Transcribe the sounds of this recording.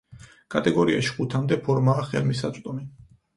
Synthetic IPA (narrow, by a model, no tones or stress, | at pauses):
kʼat̪ʼɛɡɔɾia̰ʃi̥χut̪ʰamd̪ɛpʰɔɾmaːχɛ̰lmisat̪sʼt̪ʼɔmi